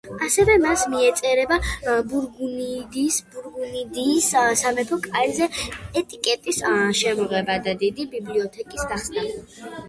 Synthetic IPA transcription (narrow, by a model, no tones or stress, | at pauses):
asɛvɛmasmiɛt̪sʼɛɾɛbabuɾɡunid̪isbuɾɡunid̪iːssamɛpʰɔkʼalɛzɛɛt̪ʼikʼɛt̪ʼisʃɛmɔʁɛbad̪ad̪id̪ibibliɔt̪ʰɛkʼisd̪aχsnanɛ